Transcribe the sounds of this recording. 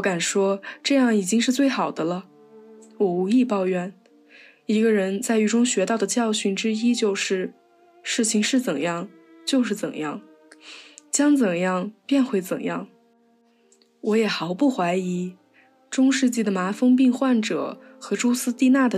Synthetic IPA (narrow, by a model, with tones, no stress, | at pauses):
ka˨˩nʂwɔ˥ʈ͡ʂɤ˥˧jɑ˥˩ŋi˨˩t͡ɕi˥ŋʂɻ̩˥˧t͡swe˥˩ɪxɑ˨˩ʊd̪ə˦lə˧ | wɔ˨˩u˧˥i˥˧pɑ˥˧ʊɥɛ˥˩n | i˧˥ɡə˧ɻə˧˥nt͡sa˥˩ɪy˥˩ʈ͡ʂʊ˥ŋɕɥɛ˧˥t̪ɑ˥˩ʊd̪ə˩t͡ɕjɑ˥˧ʊɕy˥˩nʈ͡ʂɻ̩˥i˥t͡ɕjo˥˧ʊʂɻ̩˥˩ | ʂɻ̩˥˩t͡ɕʰi˧˩˥ŋʂɻ̩˥˩t͡sə˨˩njɑ˥˩ŋ | t͡ɕjo˥˧ʊʂ̬ɻ̩˥˩t͡sə̰˨˩njɑ˥˩ŋ | t͡ɕjɑ˥ŋt͡sə˨˩ŋjɑ˥˩˧ŋpjɛ˥˧nxwe˥˩ɪt͡sə̰˨˩njɑ˥˩ŋ | wɔ˧˥jɛ˨˩xɑ˧˥ʊpu˥˩xwa˧˥ɪi˧˥ | ʈ͡ʂʊ˥ŋʂɻ̩˥˧t͡ɕi˥˩d̪ə˩ma˧˥fɤ˥ŋp̬i˥˧ŋxwa˥˩nʈ͡ʂɤ̰˨˩˦ | xɤ˧˥ʈ͡ʂo˥ʊsɹ̩˥t̪i˥˧na˥˩d̪ə˩